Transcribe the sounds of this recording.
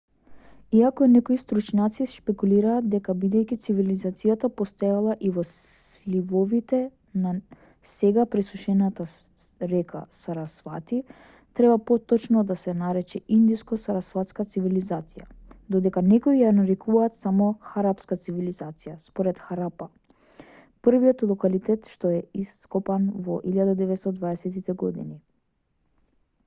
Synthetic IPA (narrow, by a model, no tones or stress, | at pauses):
iakɔinɛkɔist̪ɾut͡ʃnat̪siʃpɛkuliɾaːt̪̚d̪ɛkabid̪ɛjkʲit̪sivilizat̪sijat̪apɔst̪ajalˠaʔivɔlivɔvit̪ɛ | na | sɛɡapɾɛsuʃɛnat̪aɾɛkʰa̰saɾasfat̪i | t̪ɾɛbapɔt̪ɔt͡ʃnɔd̪asɛnaɾɛt͡ʃɛind̪iskɔsaɾasfat̪skat̪sivilizat̪sijad̪ɔd̪ɛkanɛkɔijanaɾɛkʰuvaːt̪samɔxaɾapskat̪sivilizat̪sijaspɔɾɛt̪xaɾapa | prvijɔt̪lˠɔkalit̪ɛt̪ʃt̪ɔɛisːkɔpanvɔ̰ʔiljad̪ad̪ɛvɛt̪st̪ɔd̪vaɛsɛt̪it̪ɛɡɔd̪ḭni